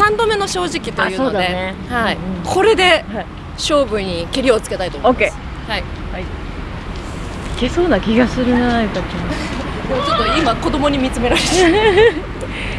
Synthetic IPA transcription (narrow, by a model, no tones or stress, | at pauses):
sãnd̪o̞me̞no̞ɕo̞ːʑikʲit̪o̞jɯ̟ːsood̪d̪eehaikʰo̞ɾe̞d̪e̞a | ɕo̞ːɡɯ̟ɲ̟ikʲeɾʲio̞t͡sɨ̥ke̞t̪ait̪omomkʲe | haihai | ke̞so̞ːnakʲiɡasɨɾɯ̟nanaikat͡ɕamoːt͡ɕo̞t̪ːoimako̞d̪o̞mo̞ɲ̟imʲit͡sɨme̞ɾaɾet̪